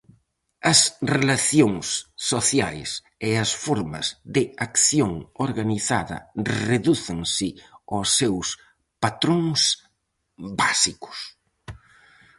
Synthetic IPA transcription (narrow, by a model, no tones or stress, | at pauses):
ɐsrelaθjoŋsːoθjajs | eɐsfoɾmɐ̰zðɪakθjoŋoɾɣaniθaðɐ̰rreðuθeŋsɪosːews | pat̪ɾoŋs | basikʊ̥s